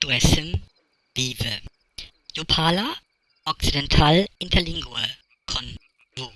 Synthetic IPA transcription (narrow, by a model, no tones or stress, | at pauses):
d̥uɛsəm | v̥iːvə | jupʰaːla | ʔɔk̚t͡sidɛntʰaːlɪntʰɐlɪŋɡuə | kʰɔn | vo